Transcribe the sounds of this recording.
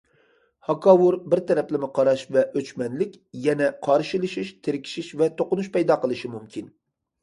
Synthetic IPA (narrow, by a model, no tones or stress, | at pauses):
hɑkʰɑwuɾbɪɾt̪ʰɛɾɛplɪmɪqʰɑɾɑʃvɛʔøt͡ʃmɛnlɪkʲjɛnɛqʰɑɾʃilˠɨʃiʃt̪ʰeɾɪkʲʰi̥ʃiʃvɛt̪ʰoqʊnuʃpɛjd̪ɑːqəlˠɨʃimumkʲʰin